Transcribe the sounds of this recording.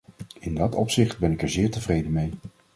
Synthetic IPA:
ɪndɑtɔpsɪχt̚bɛnɪkɛɹzɪːɹtəvrejdənmej

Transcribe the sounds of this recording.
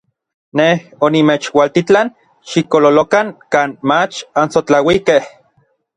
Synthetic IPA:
nehonimeːt͡ʃwalt̪it͡ɬan | ʃikololokaŋkaːnmat͡ʃansot͡ɬawikeh

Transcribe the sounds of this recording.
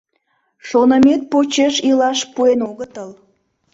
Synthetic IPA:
ʃonəmet̪̚pot͡ɕeʃilɑʃpuenoɣət̪əl

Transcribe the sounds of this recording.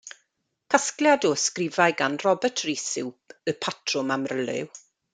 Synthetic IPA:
kʰaskljadɔskrɪvajɡanrɔbɛtʰrisɪwpʰəpʰatʰrʊmamrəlɨ̰w

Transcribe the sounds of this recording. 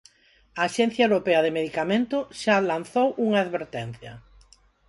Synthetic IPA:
aːʃɛn̟θjɐewɾopeɐðemeðikamẽnt̪ʊʃalan̟θowuŋaaðβeɾt̪ɛn̟θjɐ

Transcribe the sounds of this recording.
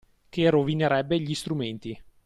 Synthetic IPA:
kerovineɾɛbːeʎist̪ɾument̪i

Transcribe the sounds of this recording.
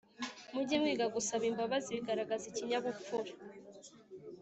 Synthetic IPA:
muɟimwiːɡaɡusaβiːmbaβaziβiɡaɾaɡaziciɲaβuuɾa

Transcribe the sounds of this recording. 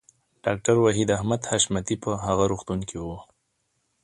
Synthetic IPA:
ɖ̥ɑk̚ʈaɾwaɦid̪ahmad̪haʃmat̪ipəɦaɣaɾuxt̪uŋkʰiwu

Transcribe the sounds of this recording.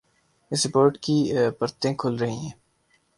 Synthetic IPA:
ɪsɾɪpoːɾʈkipəɾt̪ẽkʰʊlɾɐɦĩɦɛ̃ː

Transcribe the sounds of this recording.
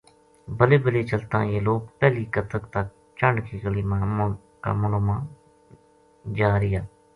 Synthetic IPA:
bəleːbəleːt͡ʃəlt̪ã̰ːjeːloːk̚pɛːliːkət̪ʰəkt̪ək̚ | t͡ʃəɳɖkiːkəliːmãː | ka̰ːməloːmãː | d͡ʒaːɾɪjaː

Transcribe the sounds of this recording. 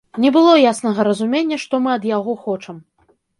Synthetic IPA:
nʲɛbɨlˠɔjasnɐɣɐɾɐzumʲenʲːɐʂt̪ɔmɨɐd̪jaɣɔxɔt͡ʂɐm

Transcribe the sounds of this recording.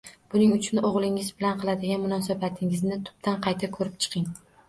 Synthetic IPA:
b̥ʊnɪŋʊt͡ʃʰʊnoʁlˠɪŋɪzbɪlanqʰɨlˠad̪ɪɡʲanmʊnɒsabat̪ʰɪŋɪznɪt̪ʰʊ̥p̚t̪ʰanqʰɑjt̪ʰakʰɵɾɪp̚t͡ʃʰɨ̥qʰɪŋ

